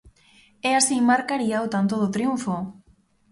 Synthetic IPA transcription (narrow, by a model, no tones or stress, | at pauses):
ɛasimaɾkaɾiawt̪ant̪̬oð̞ot̪ɾiuɱfo